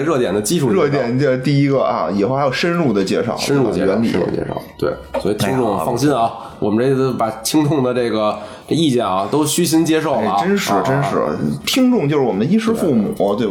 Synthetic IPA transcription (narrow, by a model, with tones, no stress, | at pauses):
ɻɤ˥˩t̪jɛ̰˨˩nd̪ə˦t͡ɕi˥u˥˧ɻɤ˥˩t̪̬jɛ˨˩nə˧t̪i˥˩i˥ɡə˧ɐ̰˧˩i˨˩xo˥˩xjo˨˩ʊʂə˥nɻu˥˩d̪ə˩t͡ɕjɛ˥˧ʂɑ̰˥˩ʊə˥nɻṵ˥˩ɛ̰˧˩ɥɛ˧˥nlḭ˨˩˨t͡ɕjɛ̰˥˧˩ɑ̰˥˩ʊt̪wḛ˥˩ɪswɔ˧˥i˨˩t̪ʰi˥ŋʈ͡ʂʊ˥˧ŋ˧fɑ˥˧ŋɕi˥nɐ˧˩ | wɔ̰˨˩mə˦nʈ͡ʂe˥˩˥o˥pa˨˩t͡ɕʰi˥ŋt̪ʰʊ˥˩ŋd̪ə˩ʈ͡ʂɤ˥˩ɡə˩ʈ͡ʂi˥˩t͡ɕjɛ˥˩nɐ˧˩t̪o˥ʊɕy˥ɕ̬i˥nt͡ɕjɛ˥ʂo˥˩ʊ˥˩˧ʈ͡ʂə˥nʂɻ̩˧˥˧ʈ͡ʂə˥nʂɻ̩̰˧˥˧t̪ʰi˥ŋʈ͡ʂʊ˥˧ŋt͡ɕjʂɻ̩˥˩wɔ˨˩m˦nd̪ə˧˥i˥ʂɻ̩˥fu˥˩mṵ˨˩˦t̪we˥˧